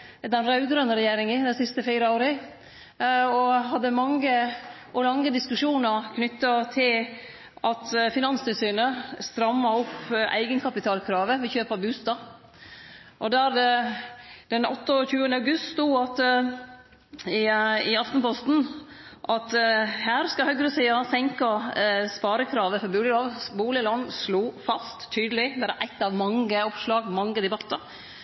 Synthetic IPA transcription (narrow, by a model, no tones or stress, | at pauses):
d̪ɛnɾɑʉɡɾœnəɾɛjeːɾɪŋəd̪æɪsɪst̪əfiːɾəoːɾə | ɔɦɑd̪ːəmɑŋːə | ʔɔlɑŋːəd̪ɪskʉʂuːnəɾkʰnʏt̪ːɑt̪ʰɪl | ʔɑt̪fɪnɑnst̪ʰɪlsyːnəst̪ɾɑmːɑʊpːæ̰ɪɡənkʰɑpɪt̪ʰɑːlkʰɾɑːʋəʋɪçøːpəbʉːst̪ɑ | ʔɔd̪æːɾd̪ɛ | d̪̥ɛnɔ̰t̪ːəɔçʉːənəɑʉɡʉst̪st̪uːɑt̪ | ɪɪɑft̪n̩pʰɔst̪n̩ | ʔɑt̪hæːɾskɑhœɡɾʉsiːɑsɛŋkɑspɑːɾəkʰɾɑːʋəfɔɾbuːlɪloːʋbuːlɪlɔnsluːfɑst̪ʰːyːd̪əlɪd̪ɛɾæʔæɪt̪ːɑʋmɑŋːəɔpʂlɑːɡmɑŋːəd̪ɛbɑt̪ːəɾ